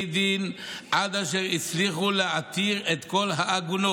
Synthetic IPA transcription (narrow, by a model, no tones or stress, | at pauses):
d̪inʔad̪aʃeʁit͡sliχuleat̪iʁet̪ko̞lɦaːɡuno